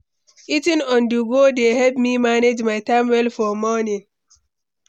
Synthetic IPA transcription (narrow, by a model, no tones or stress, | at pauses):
itĩnɔ̃nduɡodehɛlpmimaned͡ʒmajtãmwɛlfɔmɔnĩn